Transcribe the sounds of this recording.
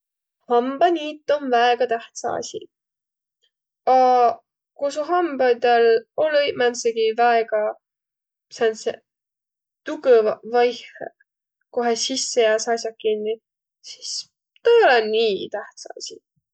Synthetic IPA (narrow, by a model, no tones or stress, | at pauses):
hɑmb̥ɑnʲiːt̪ːˑonvæeɡ̥ɑt̪æht̪sɑ̰ɑ̰sʲḭ | ɑ | kosuɦɑmbɑt̪eloljmænseɡ̥ivæeɡ̥ɑ | sɑnsḛ | t̪uɡevɑvɑjhḛ | koɦesisːejæːsɑsjɑkːinːi | si̥s | t̪oolenniːt̪æht̪sɑ̰ɑ̰sʲi